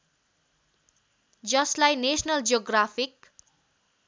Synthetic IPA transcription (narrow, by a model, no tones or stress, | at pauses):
d͡zʌslajnesnʌld͡ʒoɡrapʰik